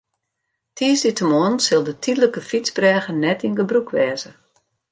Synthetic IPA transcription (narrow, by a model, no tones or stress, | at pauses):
tʰiəsditʰəmoənsɪlˠdətʰidələkəfit͡sbrɛːɣənɛtinɡəbrukʰʋɛːzə